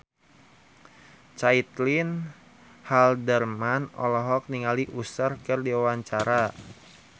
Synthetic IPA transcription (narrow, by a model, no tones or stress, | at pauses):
t͡ʃait̪lin | haldərmanɔ̰lɔɦɔk̚niŋaliʔusərkɨrdiwawaɲt͡ʃaɾa